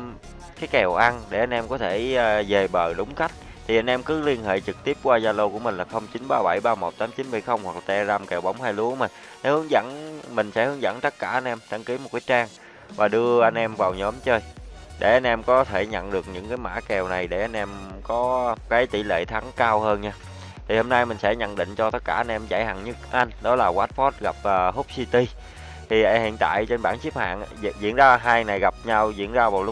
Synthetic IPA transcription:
kaː˨˦jkɛ˨˩wʔa˧nɗe˧˩ʔa˧jn̟ʔɛ˧mkɔ˨˦t̪ʰe˧˩ze˨˩ɓəː˨˩ɗʊ˨˦wŋ͡mxa˦˥jk̟̚ | t̪ʰi˨˩ʔa˧jn̟ʔɛ˧mkɨ˨˦li˧ənɦḛ˧˨t͡ɕɨ˨˩k̚t̪i˦˥əp̚kwaː˧zaː˧lo˧ku˧˩əmï˨˩ŋ̟laː˨˩xə˧wŋ͡mt͡ɕi˨˦nɓaː˧ɓa˧˩jɓaː˧mo˨˩t̚t̪aː˨˦mt͡ɕi˨˦nɓa˧˩jxə˧wŋ͡mhwa˨˩k̚la˨˩t̪ɛ˧zaː˧mkɛ˨˩wɓa̰˧˩wŋ͡mhaː˧jlu˨˦mï̟˨˩ | se˨˦hɨ˨˦əŋzə̰˧˥nmï˨˩ŋ̟sɛ̰˧˥hɨ˨˦əŋzə̰˧˥nt̪ə˦˥t̚kaː˧˩ʔa˧jnʔɛ˧mt̪ʰa˧ŋki˨˦mo˨˩t̚kaː˨˦jt͡ɕaː˧ŋ | vaː˨˩ɗɨ˧əʔa˧jnʔɛ˧mvaː˨˩wɲɔ˨˦mt͡ɕəː˧jɗe˧˩ʔa˧jn̟ʔɛ˧mkɔ˨˦t̪ʰe˧˩ɲə̰˧˨nɗɨ˨˩ək̚ɲɨ̰˧˥ŋkaː˨˦jma̰ː˧˥kɛ˨˩wna˨˩jɗe˧˩ʔa˧jn̟ʔɛ˧mkɔ˨˦kaː˨˦jt̪ḭ˧˩lḛ˧˨t̪ʰa˨˦ŋkaː˧whəː˧nɲaː˧ | t̪ʰi˨˩hoː˧mna˧jmï˨˩ŋ̟sɛ˧˥ɲə̰˧˨nɗḭ˧˨ŋ̟t͡ɕɔ˧t̪ə˦˥t̚kaː˧˩ʔa˧nʔɛ˧mza̰˧˩jha˨˩ŋɲɨ˦˥k̚ʔa˧jŋ̟ɗɔ˨˦laː˨˩ɣwaː˦˥t̚fɔ˦˥t̚ɣa˨˩p̚əː˨˩ɦo˦˥k͡p̚si˧t̪i˧ | t̪ʰi˨˩ʔa˧hḭ˧˨ənt̪a̰ː˧˨jt͡ɕe˧nɓaː˧˩nt͡ɕi˦˥p̚ha̰ː˧˨nzḭ˧˨ənzaː˧ɦaː˧jna˨˩jɣa˨˩p̚ɲa˧wzḭ˧˨ənzaː˧vaː˨˩wl̚

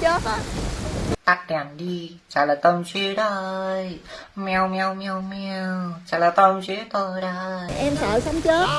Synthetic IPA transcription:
t͡ɕəː˨˦˥ta˦ | t̪a˧˥t̚ɗɛ˨˩nɗi˧ | t͡ɕa̰ː˧˩laː˨˩t̪ə˧wnt͡ɕi˧˦ɗaː˨˧˦ʔə˧jmɛ˧wmɛ˧wmɛ˧wmɛ˧wt͡ɕa̰˧˩laː˨˩t̪ə˧wnt͡ɕi˧˨˦t̪o˧jɗaː˧ʔəː˧jʔɛ˧msəː˧˩˦sa˨˦ŋ͡mt͡ɕəː˦˥

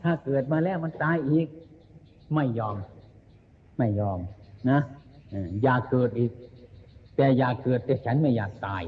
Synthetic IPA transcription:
t̪ʰaː˧˩kɤː˨˩t̪̚maː˧lɛː˧˥˩wma˧nt̪aː˧˥jʔiː˨˩k̚ | ma˥˩jːɔː˧˩m | a˥˩jːɔː˧˩mna˦˥ʔɯː˧˩jaː˨˩kːɤː˨˩t̪̚ʔiː˨˩k̚ | t̪ɛː˨˩jaː˨˩kːɤː˨˩t̪ːɛː˨˧˩t͡ɕʰa˦˥nma˥˩jaː˨˩k̚t̪aː˧˩j

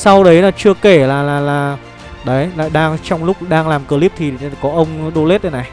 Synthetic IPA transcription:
sa˧wɗə˨˦jlaː˨˩t͡ɕɨ˧əke˧˩laː˨˩laː˨˩laː˨˩ | ɗə˨˦jla̰ː˧˨jɗaː˧ŋt͡ɕɔ˧wŋ͡mlʊ˦˥k͡p̚ɗaː˧ŋlaː˨˩mkəː˧˩li˦˥p̚t̪ʰi˨˩˨kɔ˨˦ʔə˧wŋ͡mɗo˧le˦˥t̚ɗə˨˦na˨˩j

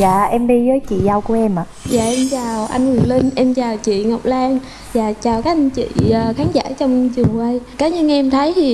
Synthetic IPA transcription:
za̰ː˧˨ʔɛ˧mɗi˧zəː˨˦jt͡ɕḭ˧˨za˧wku˧˩əʔɛ˧mʔa˧˨˩za̰ː˧˨˩ʔɛ˧mt͡ɕaː˨˩wʔa̰˧jŋwɨ˨˩ŋli˧nʔɛ˧mt͡ɕaː˨˩wt͡ɕḭ˧˨ŋɔ˨˩k͡p̚laː˧ŋ | zaː˨˩t͡ɕaː˨˩wkaː˨˦k̚ʔa˧jŋt͡ɕḭ˧˨əː˨˩xaː˨˦nza̰ː˧˥˨t͡ɕɔ˧wŋ͡mt͡ɕɨ˨˩əŋwa˧jkaː˨˦ɲɨ˧ŋʔɛ˧mt̪ʰə˨˦jt̪ʰi˨˩

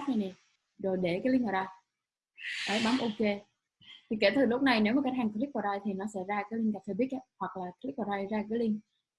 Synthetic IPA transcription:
na˨˩jnɛ˨˩ | zo˨˩jɗe˧˩kaː˨˦li˧ŋ̟ʔəː˧˩ɗaː˧ | ʔa˨˦jɓa˨˦mʔo˧ke˧ | t̪ʰi˨˩ke˧˩t̪ʰɨ˨˩lʊ˦˥p̚na˨˩jne˨˦wmaː˨˩ka˦˥t̚haː˨˩ŋk̪i˦˥k̚fɔ˨˩ɾaː˧jt̪ʰi˨˩nɔ˨˦sɛ̰˧˥zaː˧kaː˨˦jli˧ŋka˨˩fʰeː˨˧˩ɓi˦˥əʔa˧˦hwa˨˩k̚laː˨˩t̪k̚fɔ˨˩ɾaː˧jzaː˧kaː˨˦jli˧ŋ

